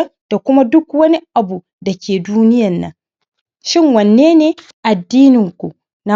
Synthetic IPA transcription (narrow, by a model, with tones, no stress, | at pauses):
d̥a˨kʷʊ˦ma˦dʊ˦kwɐ˦ni˦ʔa˨bu˨ | da˨kʲeː˨duː˦nɪ˦jɐ˨nːɐ̰˨ŋ | ʃɪ˦ŋwɐ˨nːeː˦neː˦ | ʔa˨dːiː˦nɪ˨ŋkʷu˨ | na˦˨